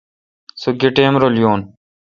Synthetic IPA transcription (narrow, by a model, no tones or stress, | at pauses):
suɡeʈeːmɾolijoːn